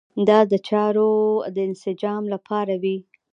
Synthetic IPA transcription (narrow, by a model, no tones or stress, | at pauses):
d̪ɑd̪ət͡ʃɑɾod̪əɪnsɪd͡ʒɑmlapʰɑɾawi